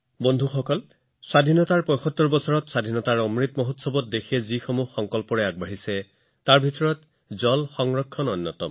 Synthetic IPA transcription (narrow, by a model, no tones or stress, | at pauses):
bondʱuxɔkɔl | swadʱinɔtaɹpɔjxɔtːɔɹbɔsɔɹɔtswad̪ʱinɔtaɹɔmɹitmɔɦotsɔbɔt̚dekʰiɛzixomuxɔŋkɔlpɔɹɛaɡ̚baɦisɛ | taɹbʱitɔɹɔt | zɔlxɔŋɹɔkʰːɔnɔnːɔtɔ̰m